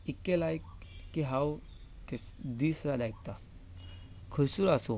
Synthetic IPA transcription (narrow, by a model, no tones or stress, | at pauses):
ikːelajkːiɦaw | t̪esd̪iːsɾad̪ajk̚t̪a | kʰəjsuːɾaso